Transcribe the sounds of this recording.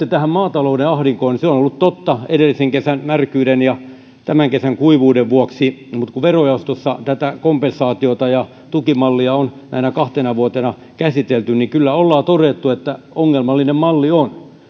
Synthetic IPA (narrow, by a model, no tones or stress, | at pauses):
et̪æhæmmɑːt̪ɑloudeɑhɾiŋkoːniseonolːut̪t̪ot̪ːɑeɾelːiseŋkesænmærkyːɾenjɑ | t̪æmæŋkesæŋkuiʋuːdeʋʋuoksimut̪kuʋerojɑost̪osːɑ̰t̪æt̪ækompensɑːt̪iot̪ɑjɑ | t̪ukimɑlːiɑon | næ̰inɑkɑht̪enɑʋuot̪enɑ | kæsit̪elt̪ynnikylːæolːɑːt̪oret̪ːuet̪ːæ | oŋːelmɑlːinemmɑlːion